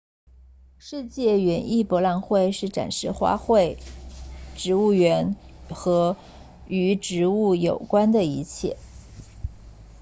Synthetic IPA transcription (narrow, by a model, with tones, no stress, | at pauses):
ʂɻ̩˥˧t͡ɕjɛ˥˩ɥɛ˧˥ni˥˩pwɔ˧˥la˥˧nxwe˥˧ɪʂɻ̩˥˩ʈ͡ʂa̰˨˩nʂɻ̩˥˧xwa̰˥xwe˥˩ɪ | ʈ͡ʂɻ̩˧˥u˥˩ɥɛ˧˥nxɤ˧˥ | y˧˥ʈ͡ʂɻ̩˧˥u˥˩jo˨˩ʊkwa˥nd̪ə˨i˧˥t͡ɕʰjɛ̰˥˩